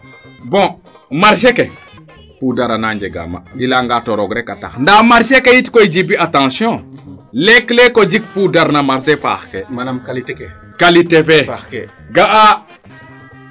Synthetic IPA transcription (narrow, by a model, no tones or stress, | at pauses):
bɔ̃ | maɾʃeke | pudaɾanaɲd͡ʒeɡa̰ma̰ilaŋɡatoɾoɡɾekata̰xndamaɾʃekejitkoid͡ʒibiatãsjɔ̃leklekod͡ʒik̚pudaɾnamaɾsefa̰xkekt | kalitefɛ | ɡaʔa